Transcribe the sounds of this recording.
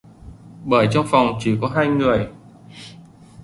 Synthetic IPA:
ɓəː˧˩jt͡ɕɔ˧ŋ͡mfa˨˩wŋ͡mt͡ɕi˧˩kɔ˨˦ɦaː˧jŋɨ˨˩əj

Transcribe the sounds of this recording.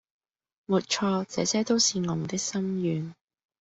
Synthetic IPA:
muː˨t̚t͡ʃʰɔː˧t͡sɛː˨˧sɛː˥t̪o˥wsiː˨˧ŋʊ˨˩ŋt̪ɪ˥k̚sɐ˥mjyː˨˧n

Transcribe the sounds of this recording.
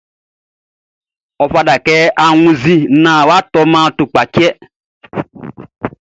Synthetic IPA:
ɔ˨fa˧da˨kɛ˦ʔa˨ŋũ˨zi˦nã˨wa˦tɔ˧mã˦tʊ˨k͡pa˨kɛ˦

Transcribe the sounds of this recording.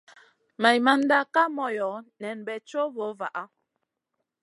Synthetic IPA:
ma˨jma˦n˦da˦ka˦mɔ˨jɔ˨˦nɛ˨nbɛ˨t͡ʃo˦bo˨˦va˨ʔa˦

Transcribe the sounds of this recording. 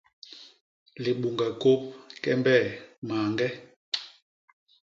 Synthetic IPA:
li˨ɓu˨ŋɡa˨ko˦p̚kɛ˦mbɛ˦˨maː˨ŋɡɛ˦

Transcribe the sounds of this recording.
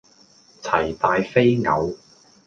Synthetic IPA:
t͡sʰɐ˨˩jt̪aː˧jfe˥jŋɐ̰˨˧w

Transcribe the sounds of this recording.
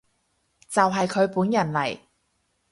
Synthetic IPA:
t͡sɐ˨wɦɐ˨jkʰɵ˨˧ɥpuː˨˥njɐ˨˩nlɐ˨˩j

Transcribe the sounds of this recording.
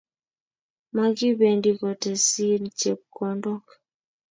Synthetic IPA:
ma˦ɡi˦be˨ndi˨kɔ˨tɛ˨si˦nt͡ʃe˨p̚kɔ˨ndɔ˦k

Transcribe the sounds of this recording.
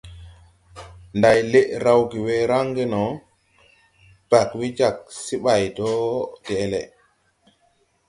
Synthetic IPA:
nda˨jle˦ʔɾa˦wɡi˨we˦ɾa˦ŋɡɛ˦nɔ˨ | pa˨kwi˦d͡ʒa˨k̚si˦ɓa˨jdɔ˦dɛː˨lɛ̰˨

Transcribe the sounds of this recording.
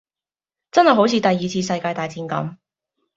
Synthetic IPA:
t͡sɐ˥nhɐ˨˩jɦo˨˥wt͡sʰiː˨˧t̪ɐ˨jːiː˨t͡sʰiː˧s̬ɐ˧jkaː˧jt̪aː˨jt͡siː˧nkɐ̰˨˥m

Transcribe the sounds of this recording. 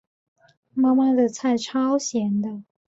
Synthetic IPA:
ma˥ma˥˨˩d̪ə˨t͡sʰa˥˩ɪʈ͡ʂʰɑ˥ʊɕjɛ˧˥nd̪ə˧

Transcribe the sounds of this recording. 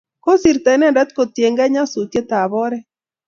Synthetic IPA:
ko˦si˨ɾt̪ɛ˨˦nɛ˦nda˦t̪̚ko˨t̪je˨ŋɡɛ˦ɲa˦su˨t̪e˦t̪a˨bɔ˦ɾɛ˦

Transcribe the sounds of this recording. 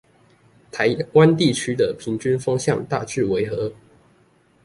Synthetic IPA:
t̪ʰa˨˦ɪwa˦nt̪i˥˨t͡ɕʰy˥d̪ə˨pʰi˨˦ŋt͡ɕy˥nfɑ˥ŋɕjɑ˥˨ŋt̪a̰˥˨t͡ɕy˥˨˩we˧˦ɪxɤ˨˦

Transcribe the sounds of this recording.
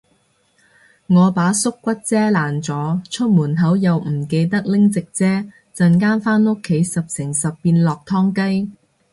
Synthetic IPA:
ŋɔː˨˧paː˨˥sʊ˥kːʷɐ˥t̚t͡sɛː˥laː˨˩nt͡sɔː˨˥t͡ʃʰɵ˥t̚muː˨˩nɦɐ˨˥wjɐ˨wm̩˨˩ke˧jt̪̬ɐ˥k̚lɪ˥ŋt͡sɪ˨k̚t͡sɛː˥ | t͡sɐ˨nkaː˥nfaː˥nʊ˥kʰːe˨˥jsɐ˨p̚sɪ˨˩ŋsɐ˨pːiː˧nlɔː˨k̚t̪ʰɔː˥ŋkɐ˥j

